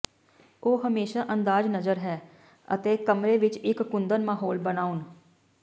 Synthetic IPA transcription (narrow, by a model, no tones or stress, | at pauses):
oːɦəmeːʃaːʔənd̪aːd͡ʒnəzəɾɦɛː | ə̰t̪eːkəmɾeːʋɪt͡ʃɪkːʊnd̪ənmaːɦoːlbənaːʊn